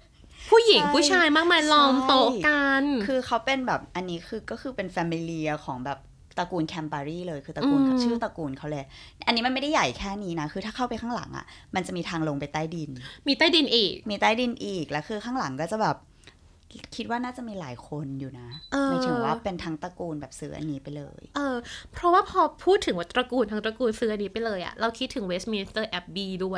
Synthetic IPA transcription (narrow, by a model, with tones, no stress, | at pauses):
pʰuː˥˩ji˨˩˦ŋpʰuː˥˩t͡ɕʰaː˧jmaː˥˩k̚maː˧jlɔː˧m˥t̪o˦˥ka˧nkʰɯː˧kʰa˦˥wpe˧nbɛː˨˩p̚ʔa˧nːiː˦˥kʰɯː˧kɔː˥˩kʰɯː˧pe˧nfɛː˧mi˧li˧ɐ˧kʰɔː˩˦ŋbɛː˨˩p̚ | t̪a˧kuː˧nkʰɛː˧mpaː˧ɾiː˥˩lɤː˧jkʰɯː˧t̪a˧uː˧nkːt͡ɕʰɯː˥˩t̪a˧kuː˧nkʰa˦˥wleː˧ | ʔa˧nːiː˦˥ma˧ma˥˩da˥ja˨˩jkʰɛː˥˩niː˦˥na˦˥kʰɯː˧t̪ʰaː˥˩kʰa˥˩wpa˧jkʰa˥˩ŋla̰˩˦ŋʔa̰˨˩ma˧nt͡ɕa˨˩ʔmiː˧t̪ʰaː˧ŋlo˧ŋpa˧jt̪aː˥˩jdi˧nmiː˧t̪aː˥˩jdi˧nʔiː˨˩k̚miː˧t̪aː˥˩jdi˧nʔiː˨˩k̚lɛ˦˥kʰɯː˧kʰaː˥˩ŋla˩˦ŋkɔː˥˩t͡ɕa˨˩bɛː˨˩p̚ | kʰi˦˥t̪̚waː˥˩naː˥˩t͡ɕa˨˩ʔmiː˧laː˩˦jkʰo˧njuː˨˩na˦˥ʔɤː˧a˥˩t͡ɕɯ˧˥waː˦˥˩pe˧nt̪ʰaː˦˥ŋt̪a˧kuː˧nbɛː˨˩p̚sɯː˦˥ʔa̰˧nːiː˦˥pa˧jlɤ̰ː˧jʔɤː˧pʰɾɔ˦˥waː˥˩pʰɔː˧pʰuː˥˩t̪ʰːɯ˩˦wa˦˩t̪ːɾa˧kuː˧nt̪ʰaː˦˥ŋt̪ɾa˧kuː˧nsɯː˦˥ʔa˧nːiː˦˥pa˧jlɤː˧jʔa̰˨˩ɾa˧wkʰi˦˥t̪ʰːɯ˨˩˦weː˦˥smi˧ni˧t̪ɤː˥˩ʔɛ˦˥p̚biː˧du˥˩əj